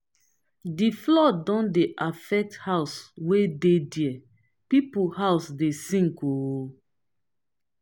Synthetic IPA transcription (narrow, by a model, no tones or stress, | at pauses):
diflɔdɔ̃ndeʔafɛk̚thaʊswedediɛ | pipuhaʊsdesĩŋko